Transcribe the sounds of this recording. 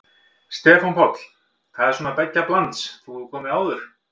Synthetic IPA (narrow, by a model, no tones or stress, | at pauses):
st̪ɛːfanpʰɔt̪l̥ | θaðɛɾ̥sɔːnapɛcːaplant̪sθuθukʰɔːmɪaːwðʏɾ̥